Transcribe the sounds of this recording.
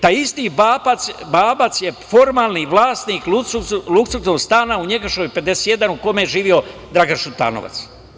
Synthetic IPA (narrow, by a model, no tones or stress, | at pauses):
t̪ajist̪ibaːpat̪sbaːbat̪sje̞fo̞ɾmaːlˠniʋlaːst̪niːklusuluksut̪oɡst̪aːnauɲeɡaʃkojpe̞d̪e̞se̥t̪je̞d̪anukomejeʒiːʋio̞d̪ɾaɡanʃut̪a̰ːno̰ʋa̰t̪s